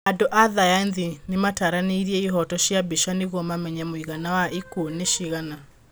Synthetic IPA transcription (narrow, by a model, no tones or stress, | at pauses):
adoʔaðajaenðinemataɾaneiɾiɛiɦɔtɔʃjabiʃaneɣɔmamɛɲamoiɣanawaʔikoneʃiɣana